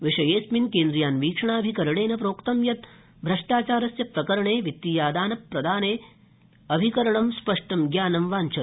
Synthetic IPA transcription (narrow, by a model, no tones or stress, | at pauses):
ʋɪʂɐjeːsminkeːnd̪ɾijaːnʋiːkʂɐɳaːɐbʱikɐɾɐɽeːnɐp̬ɾoːkt̪ɐmjɐt̪ | bʱɾɐʂʈaːt͡ʃaːɾɐsjɐpɾɐkɐɾɐɳeːʋit̪ːiːjaːd̪aːnɐpːɾɐd̪ʱaːneː | ɐbʱikɐɾɐɳɐmspɐʂʈɐmɡjaːnɐmʋaːnt͡ʃʰɐ